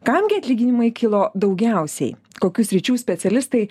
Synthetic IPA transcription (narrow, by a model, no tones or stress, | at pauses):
kɐmʲɡʲeɐt̪ʲlʲiːɡʲɪnʲɪmɐɪkʲɪlˠoːd̪ɒʊɡʲɛˑʊsʲɛ̰ɪkoːkʲʊsʲɾʲɪt͡ʃʲuːsʲpʲɛt̪sʲɛlʲɪst̪ɐɪ